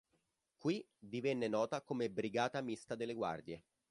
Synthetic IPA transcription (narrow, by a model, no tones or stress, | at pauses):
kwi | d̪ivɛnːenɔːt̪akomebɾiɡaːt̪amist̪ad̪elːeɡwa̰rd̪je